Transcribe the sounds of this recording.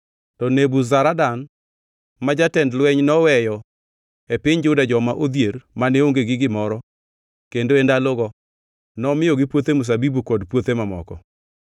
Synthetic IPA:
tɔnebuzaɾadan | mad͡ʒatɛndlwɛɲnɔwɛjɔ | epɪɲd͡ʒʊdad͡ʒɔmaʔod̪jeɾmaneoŋɡeɡɪɡɪmɔɾɔ | kendoendaloɡɔ | nɔmɪjɔɡɪpwot̪emʊs̬abibukɔdpwot̪emamɔ̰kɔ

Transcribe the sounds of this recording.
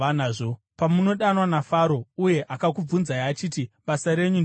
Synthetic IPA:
anaːʐo | pamuno̞ɗanwanafaɾo̞uje̞ʔakakub͡vunzajaːt͡ʃiːtiɓasaɾe̞ɲun

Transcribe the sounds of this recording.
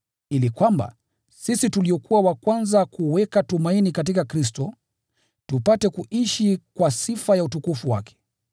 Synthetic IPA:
ilikwamba̰ | sisituliɔkuwawakwanzakuwɛkatumainikat̬ikakɾis̬tɔ | tupatɛkuʔiʃikwasifajautukufuwa̰kɛ̥

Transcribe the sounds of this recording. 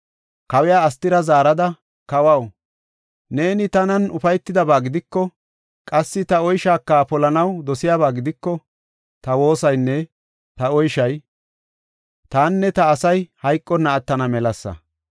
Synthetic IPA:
kɐwɛjaːɐst̪ːɪɾɐzaːɾɐd̪ɐ | kɐwɐw | ne̞ːnɪt̪ɐnɐnʊfɐjt̪ːɪd̪ɐbaːɡɪd̪ɪkːɔ | kʼɐsːɪt̪ɐɔjʃaːkːapɔlɐnɐwd̪ɔsɪjaːβaːɡɪd̪ɪkːɔ | t̪ɐwo̞ːsɐjnːɛ | t̪ɐɔjʃɐj | t̪aːnːɛt̪ɐːsɐjhɐjkʼːɔnɐːt̪ːɐnɐmɛlɐsːɐ̰

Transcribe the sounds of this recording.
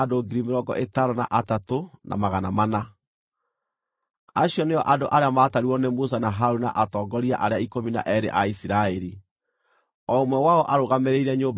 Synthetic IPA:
doɡiɾimeɾɔɡɔ̰ʔetaɾɔnaʔatatonʔa̰maɣanamana | aɕiɔneɔʔadoʔaɾeamaːtaɾiwɔnemos̬anaɦaɾuna̰ʔatɔːɡɔɾiaʔaɾeaikomina̰ʔɛɾḛʔaisiɾaeɾi | ɔmwɛwaɔʔaɾoɣameɾeiɾɛɲoːb

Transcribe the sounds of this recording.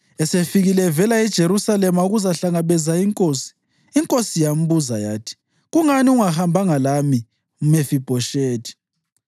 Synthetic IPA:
ɛsefiɣilɛvɛlaɛd̥ʒ̥ʱeɾusalɛmauɣuzaɬaŋaβɛzaiŋkʼoːsi̥ː | ŋkʼosijam̩βuzaja̰ːtʰi̥ | ɣuŋaniuŋahambʱaŋalami | umefib̥ʱɔʃeːtʰi̥

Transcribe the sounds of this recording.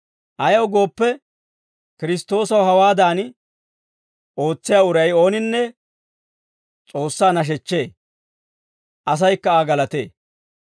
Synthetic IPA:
ʔɐjɐwɡo̞ːpːɛ | kɪɾɪst̪ːo̞ːsɐwɦɐwaːd̪aːn | ʔo̞ːt͡sːɪjaːʊɾɐjo̞ːnɪnːɛ | t͡sʼo̞ːsːaːnɐʃ̬ɛt͡ʃːe̞ː | ʔɐs̬ɐjkːɐaːɡɐlɐt̪e̞̰ː

